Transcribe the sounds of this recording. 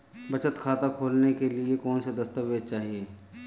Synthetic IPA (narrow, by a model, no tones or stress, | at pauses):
bɐt͡ʃət̪kʰaːt̪akʰoːlnekeliekɔːnsed̪ɐst̪əʋed͡ʒt͡ʃaːɦieː